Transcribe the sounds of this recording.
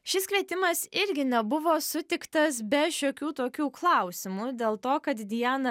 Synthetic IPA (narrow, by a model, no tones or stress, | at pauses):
ʃʲɪskʋʲiɛt̪ʲɪmɐsɪɾʲɡʲɪnʲɛbʊʋoːsʊt̪ʲɪkt̪ɐsbʲɛʃʲoːkʲuːt̪oːkʲuːklˠɐˑʊsʲɪmud̪ʲeːlˠt̪oːkɐt̪d̪ʲɪjæːnɐ